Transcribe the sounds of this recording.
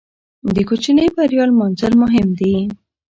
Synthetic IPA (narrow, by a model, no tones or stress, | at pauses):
d̪əkot͡ʃinəjbaɾjɑlmɑnzəɾmʊɦɪmd̪i